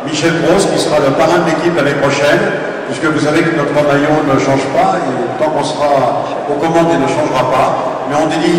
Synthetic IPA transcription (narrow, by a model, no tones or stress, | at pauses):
miʃɛlbʁoskʲisəʁaləpaʁɛ̃d̪əlekʲiplanepχɔʃɛn | piskəvus̬avekənɔt̪χənajɔ̃nəʃɑ̃ʒpaeot̪ɑ̃kɑ̃səʁa | okɔmɑ̃d̪inəʃɑ̃ʒʁapa | mɛɔ̃d̪ed̪i